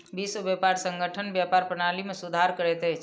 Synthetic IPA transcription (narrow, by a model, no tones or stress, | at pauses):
biːsobjeːpaːɾsə̃ŋɡʱəʈʰənbjaːpaːɾpɾənaːlimẽsʊd̪ʱaːɾkəɾeːt̪ɦeː